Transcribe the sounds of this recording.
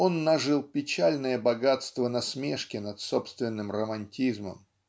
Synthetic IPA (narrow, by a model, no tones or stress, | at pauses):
o̞nːɐʐɨlˠpʲɪt͡ɕalʲnəjəbɐɡat̪st̪vənɐsmʲeʂkʲɪnɐt̪sopst̪vʲɪnːɨmrəmɐnʲtʲizmə̰m